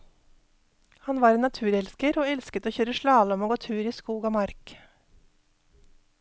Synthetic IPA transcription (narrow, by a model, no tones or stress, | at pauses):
hɑnʋɑːɾeːnɑt̪ʰʉːɾɛlskəɾoːɛlskət̪oːçøːɾəʃlɑːlɔmoːɡoːt̪ʰʉːɾiːskuːɡɑːmɑɾk